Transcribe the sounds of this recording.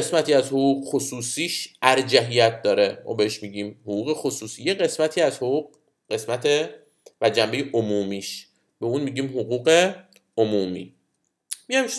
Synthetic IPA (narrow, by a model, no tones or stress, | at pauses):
esmæt̪ʰiːæzhoʁuːɣxosuːsiːʃæɾd͡ʒæɦijæt̪̚ʰd̪ɒːɾemʔɒ̰ːbe̞heʃmiːɟiːmhoɣuːɣe̞xosuːsiːjeɢe̞smæt̪ʰiːæzhouːq | ɢe̞smæt̪ʰe | væd͡ʒæmbe̞jeʔomuːmiːʃ | b̥e̞uːnmiːɟiːmɦoɣuːɢe | omuːmiː | miæm